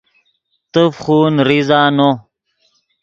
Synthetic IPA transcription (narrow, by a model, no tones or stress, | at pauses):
t̪əfχuːnɾizaːno